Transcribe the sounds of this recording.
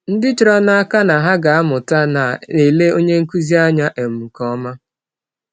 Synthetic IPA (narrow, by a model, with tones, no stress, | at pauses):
n̩˦dɪ˦t͡ʃɪ˨ɾɔ˦na˦a˦ka˦na˨ɦa˦ɡa˨a˦mʊ˨ta˦na˨e˨le˦o˦ɲe˦ŋ̩˦ku˦zi˦a˦ɲa˦ʔe˨m̩˨ŋ̩˨kɔ˦ma˦